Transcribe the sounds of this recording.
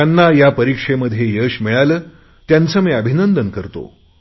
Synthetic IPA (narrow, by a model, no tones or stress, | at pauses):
anːajapəɾikʂeməd̪ʱjejəɕmiɭaləː | t̪jant͡səːmiːəbʱinənd̪ənkəɾt̪o̰